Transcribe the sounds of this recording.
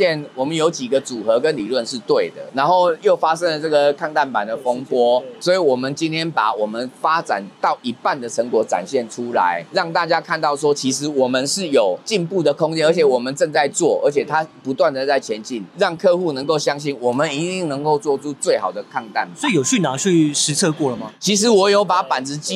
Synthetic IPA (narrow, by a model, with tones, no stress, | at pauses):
ɛ˥˨nwɔ˨˩mə˦njo˧˥ʊt͡ɕi˨˩ɡə˦t͡su˨˩xɤ˧˦kə˦nli˨˩lwə˥˧nʂɻ̩˥˧t̪we˥˨˩ɪd̪ə̰˩na˧˦˥nxo˥˩ʊjo˥˩ʊfa˦ʂə˥ŋlə˨t͡sɤ˥˩ɡə˩kʰa˥˧ŋt̪a˥˩npa˨˩nd̪ə˨fo˥ŋpwɔ˦swɔ˧˥i˨˩wɔ˨˩mə˦nt͡ɕi˥nt̪ʰjɛ˥npa˩wɔ˨˩mə˦nfa˦t͡sa̰˨˩nt̪ɑ˥˩ʊʔi˧˥pa˥˨˩nd̪ə˩ʈ͡ʂʰə˧˥ŋkwɔ˧˥t͡sa̰˨˩nɕjɛ˥˩nʈ͡ʂʰu˦la̰˧˦ɪɻɑ˥˧ŋt̪a˥˧t͡ɕja˦kʰa˥˧nt̪ɑ˥˩ʊs̬wɔ˦˥t͡ɕʰi˧˥ʂɻ̩˧˥wɔ˨˩mə˦nʂɻ̩˥˩jo˨˩ʊt͡ɕi˥˧npu˥˨d̪ə˨kʰʊ˥ŋt͡ɕjɛ˥nə˞˧˥t͡ɕʰɛ˨˩˦wɔ˨˩mə˨˦nt͡sə˥˧ŋt͡sa˥˧ɪt͡swɔ˥˩ə̰˞˧˥t͡ɕʰjɛ˨˩t̪ʰa˦pu˧˥t̪wa˥˩nd̪ə˨t͡sa˥˩ɪt͡ɕʰjɛ˧˦˥nt͡ɕi˥˩nɻɑ˥˩ŋkʰɤ˥˧xu˥˨nə˧ŋko˥˩ʊɕjɑ˥ŋɕi˥˩nwɔ˨˩mə˦ni˧˥t̪i˥˩ŋnə˧˦ŋko˥˧ʊt͡swɔ˥˨ʈ͡ʂʰu˥t͡swe˥˩ɪxɑ˨˩ʊd̪ə˩kʰa˥˧ŋt̪a˥˩n˨sɔ˧˥i˨jo˨˩ʊɕy˥˩na˨˥˦ɕy˥˩ʂɻ̩˧˥t͡sʰɤ˥˧kwɔ˥˩lə˩ma˨˦t͡ɕʰi˧˥ʂ̬ɻ̩˧˥wɔ˨˩jo˧˥ʊpa˧˦pa˨˩nt͡sɹ̩˧˦t͡ɕi˥